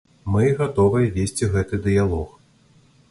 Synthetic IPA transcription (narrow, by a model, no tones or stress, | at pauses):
mɨɣat̪ɔvɐjɐvʲesʲt͡sʲiɣɛt̪ɨd̪ɨjalˠɔx